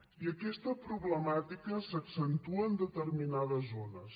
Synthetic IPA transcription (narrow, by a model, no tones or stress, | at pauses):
iəkɛst̪əpɾuβləmat̪ikəsəksənt̪uəːnd̪ət̪ərminaðəzonəs